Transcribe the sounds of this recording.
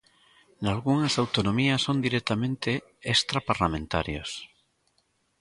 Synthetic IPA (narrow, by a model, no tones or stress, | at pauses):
nalɣuŋɐsawt̪onõmiɐsond̪iɾet̪amẽnt̪e | est̪ɾapaɾlamẽnt̪a̰ɾjo̰s